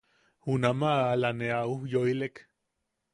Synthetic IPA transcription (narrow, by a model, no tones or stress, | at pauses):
hunamaːlaneaujoilek